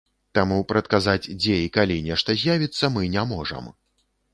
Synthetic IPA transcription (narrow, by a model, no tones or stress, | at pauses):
t̪amupɾɐt̪̚kazad͡zʲd͡zʲɛikalʲinʲɛʂt̪ɐzʲjavʲit̪sːɐmɨnʲamɔʐɐ̰m